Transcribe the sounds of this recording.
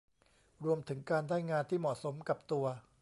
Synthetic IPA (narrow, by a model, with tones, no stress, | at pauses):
ɾu˧əmt̪ʰɯ˩˦ŋkaː˧ndaː˥˩jŋaː˧nt̪ʰiː˥˩mɔ˨˩ʔ̚so˩˦mka˨˩p̚t̪u˧ɐ